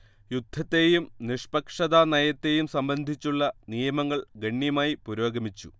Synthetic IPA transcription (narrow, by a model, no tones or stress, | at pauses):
jud̪ʱːɐt̪ːe̞jumniʂpɐkʂɐðaːnɐjɐt̪ːe̞jumsɐmbɐnd̪ʱit͡ɕːuɭːɐnijɐmɐŋːɐɭɡɐɳːjɐmaːjipuɾo̞ːɡɐmit͡ɕːu